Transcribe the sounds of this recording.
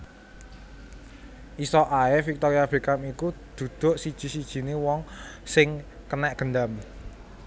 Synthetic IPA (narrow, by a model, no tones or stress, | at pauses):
ʔisɔʔaɛfik̚t̪ɔɾiab̥e̤kamikud̪̥ṳd̪̥o̤ʔsid̥ʒ̥i̤sid̥ʒ̥i̤newɔŋsɪŋ | kənɛʔɡ̥ə̤nd̪am